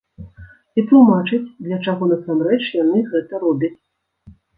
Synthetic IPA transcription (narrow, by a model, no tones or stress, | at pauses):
iplˠumat͡ʂɨt͡sʲd̪lʲɐt͡ʂaɣɔnɐsamɾɛt͡ʂjanɨɣɛt̪ɐɾɔbʲɐt͡sʲ